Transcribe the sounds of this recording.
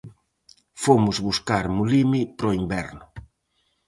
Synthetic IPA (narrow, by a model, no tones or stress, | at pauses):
fomʊzβuskaɾmulimipɾoimbɛɾnʊ